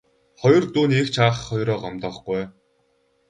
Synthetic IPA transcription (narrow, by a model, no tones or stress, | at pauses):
χɔjɞ̆rt̪uːniekt͡ɕʰaːχχɔjɾɔːɢɔmt̪ɔːχɡuj